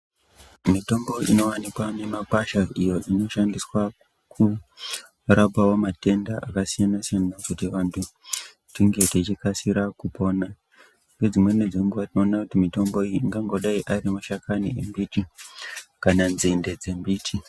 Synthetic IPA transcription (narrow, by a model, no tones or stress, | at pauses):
mito̞mbo̞ino̞wanikwane̞makwaʃaijo̞ʔino̞ʃandiswa | kʰu | rapawo̞mate̞ndaʔakasijanasijanakutiʋantʰu | tiŋɡe̞tet͡ʃikasiɾakupo̞na | ŋɡed͡zimwe̞ned͡zimɡuʋatino̞ːnakutimito̞mbo̞iŋɡaŋɡo̞ɗaiʔaɾimaʃakaniembiti | kananzinde̞d͡ze̞mbiːtʰi